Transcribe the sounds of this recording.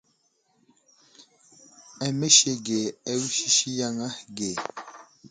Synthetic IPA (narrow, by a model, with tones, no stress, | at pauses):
ɛ˨me˦ʃe˦ɡe˨ɛ˦wi˦ʃi˦ʃi˦ja˦˨ŋa˦ɡe˨